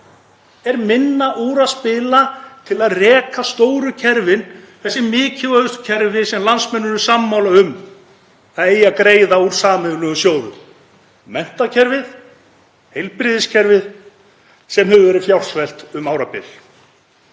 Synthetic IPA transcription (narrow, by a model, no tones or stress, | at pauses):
ɛɾmɪnːaʔuːɾaðspɪlat̪ʰɪlaðrɛːkast̪oːwɾʏcʰɛɾvɪnθɛsːɪmɪːcʰɪœðʏst̪cʰɛɾvɪsɛmlansmɛnːʏɾʏ̥samːawlaʏm | aðeːjakɾeːjðauɾ̥saːmɛðʏnʏɔsjoːwðʏ̰ | mɛn̥t̪acʰɛɾvɪð | hejlpɾɪðɪscʰɛɾvɪð | sɛmɦɛvʏvɛːɾɪfjawr̥svɛl̥t̪ʏmaːwɾapɪ̰l̥